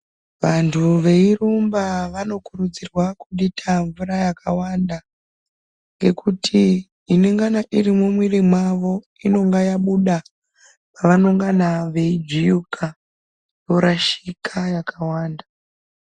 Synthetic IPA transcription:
ʋantʰuʋe̞irumbaʋano̞kuɾud͡zirwakuɗitʰaɱvuɾajakʰawanda | ŋɡe̞kutʰiː | neŋɡanaʔirimumwirimwaʋo̞ | ino̞ŋɡajaɓuɗa | paʋanoŋɡanaʋe̞id͡ʒijukʰa | jo̞ɾaʃikʰajakawaːnda

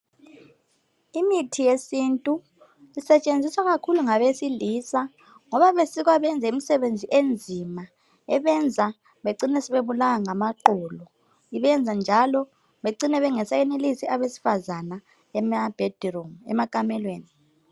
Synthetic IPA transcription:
imitʰijesintʼu | isɛt͡ʃʼend͡zʱiswaɣakʰuluŋaβesiliːsa | ŋɔβaβesiɣwaβɛnd͡zʱaimisɛβend͡zʱiʔend͡zʱima | ɛβɛnd͡zʱa | βeǀinɛsiβeβulaŋaŋamaǃɔːlɔ | iβɛnd͡zʱand͡ʒʱalɔ | βeǀinɛβɛŋɛsajɛnelisiaβesi̥fazana | ɛmab̥ʱed̥ʱrɔmɛ̰makʼamɛlweːni

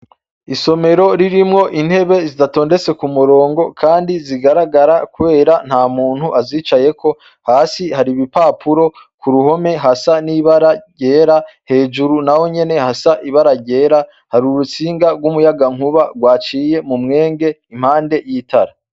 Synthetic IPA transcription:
iso̞me̞ɾo̞ɾiɾimŋo̞ʔin̥he̞βe̞zidato̞ːnde̞t͡se̞kumuɾo̞ːŋɡo̞kʰaːndiziɡaɾaɡaɾakuβe̞ːɾan̥haːmuːn̥huʔaziːt͡ʃaje̞kʰo̞ | haːsihaɾiβipapʰuɾo̞ | kuɾuho̞me̞ɦasaniβaɾaɟe̞ːɾahe̞ːd͡ʒuɾunawo̞ɲe̞ne̞hasaʔiβaɾaɾɟe̞ːɾa | haɾuɾut͡siːŋɡaɡwumujaɡaŋ̥huβaɡwaːt͡ʃiːjemumŋe̞ːŋɡe̞ | im̥haːnde̞jitʰaɾa

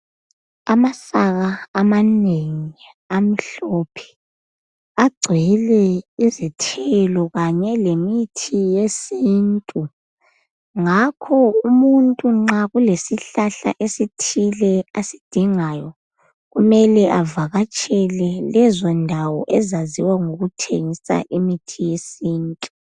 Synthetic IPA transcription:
amasaɣaːmaneŋi | am̩ɬɔpʰɛ̥ | aɡ͡ǀʱɛlɛizitʰɛlɔɣaɲɛlemitʰijesiːntʼu | ŋakʰɔumuntʼuŋ͡ǁaɣulesiɬaɬa̰ʔesitʰilɛasid̥ʱiŋajɔ | ɣumɛlɛʔavaɣat͡ʃʼɛlɛlɛzɔndʱawɔʔɛzaziwaŋoɣutʰeŋisa̰ʔimitʰijesiːntʼu

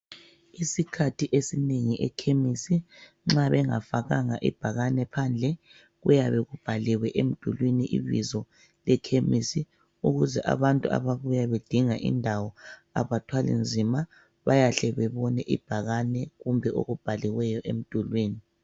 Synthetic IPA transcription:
isikʰatʰiʔesineŋiʔɛ̰kʰemisi | ŋ͡ǁaβɛŋafaɣaŋaʔḭb̥ʱaɣanɛpʰand͡ɮʱɛ | ɣujaβɛɣub̥ʱalɛwɛʔem̩d̥ʱulwiniʔḭβḭzɔ | lɛkʰemisi | uɣuzɛʔa̰βantʼua̰βaβujaβed̥ʱiŋaʔḭndʱawɔa̰βatʰwalḭnd͡zʱima | βajaɬɛβɛβɔnɛʔḭb̥ʱaɣanɛɣumbʱɛo̰ɣub̥ʱaliwɛjɔʔem̩d̥ʱulwiːni

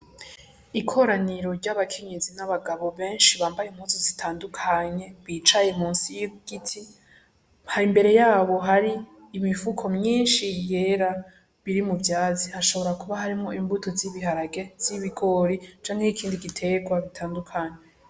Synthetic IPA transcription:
ikʰo̞ɾaniɾo̞ɾɟaβakʰe̞ɲe̞zinaβaɡaβo̞βe̞ːnʃiβaːmbajemhuːnzozitʰaːndukʰaɲe̞βit͡ʃajemuːnsijɡ̥itʰi | haɾimbe̞ɾe̞jaːβo̞ɦaɾiː | mifukʰo̞mɲiːnʃije̞ːɾa | βiɾimuvjaːzihaʃo̞βo̞ɾakuβaɦaɾimŋo̞imbutʰoziβiɦaɾaɡe̞z̥iβiɡo̞ɾit͡ʃaːŋheikʰiːndiɡitʰe̞ɡwaβitʰaːndukʰaɲe̞

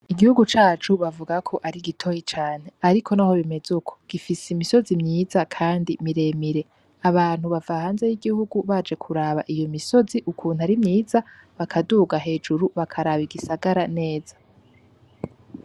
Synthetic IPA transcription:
iɡihuɡut͡ʃaːt͡ʃuβavuɡakʰo̞ʔaɾiɡitʰo̞jit͡ʃaːn̥e̞aɾikʰo̞naho̞βime̞zukʰo̥ɡ̥ifiseimiso̞zimɲiːzakʰaːndimiɾe̞miɾe̞ | aβaːn̥huβavahaːnze̞jiɡihuɡuβad͡ʒe̞kʰuɾaβaʔijo̞miso̞ziʔukʰuːn̥haɾimɲiːzaβakʰaduːɡaɦe̞ːd͡ʒuɾuβakʰaɾaβiɡisaɡaɾane̞ːz̥ḁ

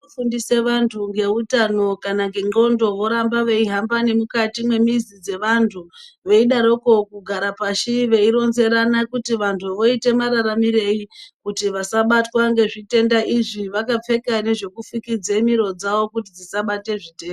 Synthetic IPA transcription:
ofundise̞ʋantʰuŋɡe̞utano̞kanaŋɡe̞ŋ͡ǃo̞ndo̞ʋo̞ɾambaʋe̞iɦambane̞mukatimwe̞mizid͡ze̞ʋantʰuʋe̞iɗaɾo̞ko̞kuɡʱaɾapaʃiʋe̞iɾo̞nze̞ɾanakutiʋantʰuʋo̞ite̞maɾaɾamiɾe̞ikutiʋasaɓatwaŋɡe̞ʐite̞ndaʔiʐiʋakap͡fe̞kane̞ʐe̞kufikid͡zemiɾo̞d͡zaʋo̞kutid͡zisaɓate̞ʐite̞ːm

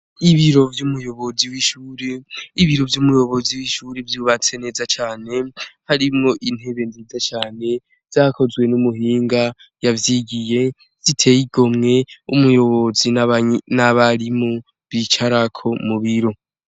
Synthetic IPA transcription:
iβiɾo̞vjumujo̞βo̞ziwiʃuːɾeiβiɾo̞vjumujo̞βo̞ziwiːʃuːɾevjuβat͡se̞ne̞ːzat͡ʃaːne̞haɾimŋo̞ʔin̥he̞βe̞nziːzat͡ʃaːne̞ | z̥aːkʰo̞zwe̞numuɦiːŋɡa | javjiɡije̞ | z̥itʰe̞jiɡo̞mŋe̞umujo̞βo̞zinnaβaɾimo | βit͡ʃaɾakʰo̞muβiɾo̞

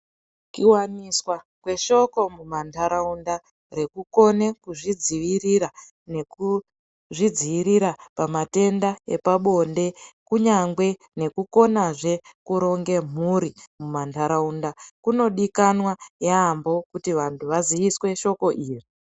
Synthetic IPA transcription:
kiwaniswa | kwe̞ʃo̞ko̞mumantʰaɾaunda | re̞kuko̞ne̞kuʐid͡ziʋiriɾa | ne̞ku | ʐid͡ziʋiɾiɾapamate̞ndaḛpaɓo̞nde̞kuɲaŋɡwe̞ | ne̞kuko̞naʐe̞kuɾo̞ŋɡe̞m̤uɾimumantʰaɾaundakuno̞ɗikanwajaːmbo̞kutiʋantʰuʋaziʋiswe̞ʃo̞ko̞ʔiːri

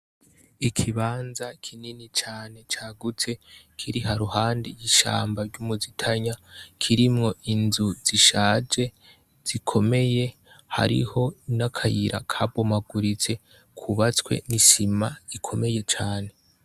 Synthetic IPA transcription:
ikʰiβaːnzakʰininit͡ʃaːne̞t͡ʃaːɡut͡se̞kʰiɾihaɾuhaːndijiʃa̰ːmbaɾɟumuzitʰaɲakʰiɾimŋo̞ʔinzuz̥iʃaːd͡ʒe̞ | z̥ikʰo̞me̞je̞ | ha̰ɾḭho̞nakʰajiɾa̰kʰabomaɡuɾit͡se̞ | kʰuβat͡skwe̞̰nisimaikʰo̞me̞je̞t͡ʃaːne̞

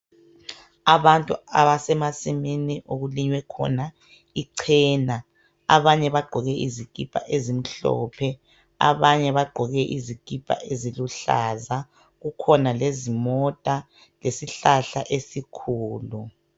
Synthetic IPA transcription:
aβantʼuaβasɛmasiminiʔoɣuliɲwɛkʰɔ̰na | iǀʰɛːna | aβaɲɛβaɡ͡ǃʱɔɣɛʔizikʼipʰʼa̰ʔezim̩ɬɔ̰ːpʰɛ | a̰βaɲɛβaɡ͡ǃʱɔɣɛʔizikʼipʰʼa̰ʔeziluɬa̰za | ɣukʰɔnalezimɔtʼa | lesiɬaɬa̰ʔesikʰuːlu

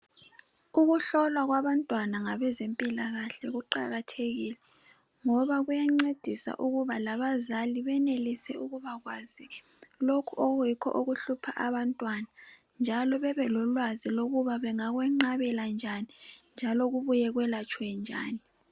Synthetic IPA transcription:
uɣuɬɔlwaɣwaβantʼwanaŋaβɛzempʼilaɣaɬɛɣuǃa̰ɣatʰeɣiːlɛ | ŋɔβaɣujaŋ͡ǀed̥ʱisa̰ʔuɣuβalaβazaliβɛnelisɛuɣuβaɣwazi | lokʰuʔoɣujikʰɔ̰ʔuɣuɬupʰaʔaβantʼwana | nd͡ʒʱalɔβɛβɛlɔlwaziloɣuβaβɛŋaɣwɛŋ͡ǃaβɛland͡ʒʱanind͡ʒʱaloɣuβujɛɣwɛlat͡ʃʼwɛnd͡ʒʱa̰ːni

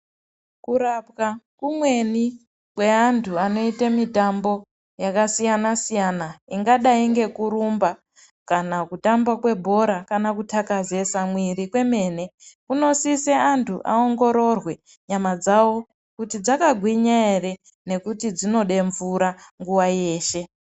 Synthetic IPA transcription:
kuɾapkakumwe̞ni | kwe̞antʰuano̞itemitambo̞ | jakasijanasijanaiŋɡaɗaiŋɡe̞kuɾumba | kanakutambakwe̞bʱo̞ɾakanakutʰakaze̞samwiɾikwe̞me̞ːne̞kuno̞siseantʰuʔa̰o̞ŋɡo̞ɾo̞rwe̞ | ɲamad͡zawo̞ | kutid͡zakaɡʱwiɲaere | ne̞kutid͡zino̞ɗe̞ɱvuɾaŋɡuwaje̞ːʃe̞

